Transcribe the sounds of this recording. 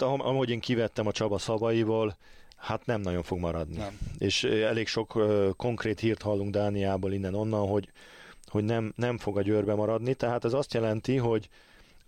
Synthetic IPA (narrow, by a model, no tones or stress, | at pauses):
ʔɒmho̞ɟeːŋkivɛt̪ːɛmɒt͡ʃɒbɒsɒbɒjivoːl | hat̪nɛmnɒɟo̞ɱfo̞ɡmɒɾɒd̪nieːʃɛleːkʃo̞kːkːo̞ŋkreːt̪hiːrt̪hɒlːuŋɡd̪aːnijaːboːlinːɛno̞nːɒnɦo̞ɟho̞ɟnɛmnɛɱfo̞ɡɒɟøːrbɛmɒɾɒd̪nit̪ɛɦaːt̪ɛzɒst̪jɛlɛnt̪iɦo̞ɟ